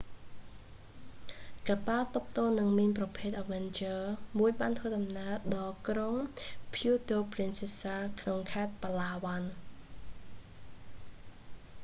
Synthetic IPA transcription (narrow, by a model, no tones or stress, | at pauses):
kaːpalt̪up̚ʰt̪oːnɨŋminprɑpʰeːt̪̚ʔaʋɛnt͡ɕəːmuəjɓaːnt̪ʰʋəːɗɑmnaəɗɑːkroŋpʰjuːt̪oːprinsisaːkʰnoŋkʰaɛt̪̚palaːʋan